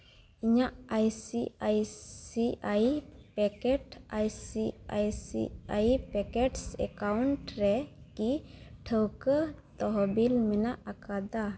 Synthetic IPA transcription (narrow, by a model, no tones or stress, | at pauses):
iɲaʔajsiajsiajpɛkɛʈajsia̰jsḭajpɛkɛʈsɛkawɳʈɾɛkiʈʰəwkət̪ɔɦɔbilmɛnaʔakad̪a